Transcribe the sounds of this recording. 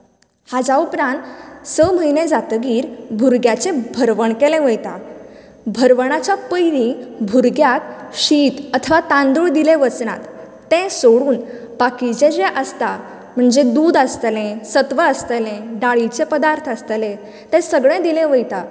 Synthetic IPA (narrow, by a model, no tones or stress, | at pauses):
had͡zaupɾãnt̪səm̤əjnẽd͡zat̪əɡiːɾbʱuɾɡjat͡sẽbʱəɾʋəɳkelẽʋəjt̪a̰ | bʱəɾʋəɳ̃at͡ɕapəjɾĩbʱuɾɡjat̪ɕiːt̪ət̪ʰəʋat̪ãnd̪uɭd̪ileʋət͡sna̰t̪ː | ɛ̃soɽuːn | pakid͡ʑed͡ʑeʔəst̪a | m̤əɳd͡zed̪uːd̪əst̪lẽsət̪ʋəəst̪əlẽɖaɭit͡sepəd̪aɾt̪ʰəst̪lẽ | t̪ɛ̃səɡɭẽd̪ilẽʋəjt̪a